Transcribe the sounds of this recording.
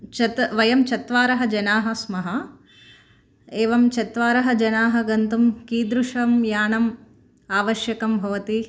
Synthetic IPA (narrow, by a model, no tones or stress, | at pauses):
t͡ʃɐt̪ʋɐjɐmt͡ʃɐt̪ʋaːɾɐɦɐd͡ʒɐnaːɦɐsmɐɦɐ | eːʋɐmt͡ʃɐt̪ʋaːɾɐɦɐd͡ʒɐnaːɦɐɡɐnt̪umkiːd̪ɾuʂɐmjaːɳɐm | aːʋɐʃjɐkɐmbʱɐʋɐt̪i